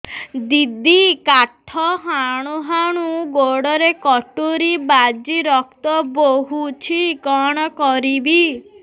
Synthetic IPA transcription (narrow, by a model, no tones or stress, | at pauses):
d̪id̪ikaʈʰɔɦaɽ̃uɦaɽ̃uɡoɽɔɾekɔʈuɾibad͡ʒiɾɔkt̪ɔboɦut͡ʃʰikɔɽ̃ɔkɔɾibi